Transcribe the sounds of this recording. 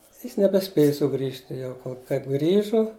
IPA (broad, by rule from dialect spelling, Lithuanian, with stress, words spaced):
ˈjɪs nʲɛbʲɛˈsʲpʲeːjʊ sʊˈɡrʲiːʃʲtʲɪ ˈjɛʊ koː kɐɪp ˈɡrʲiːʒʊ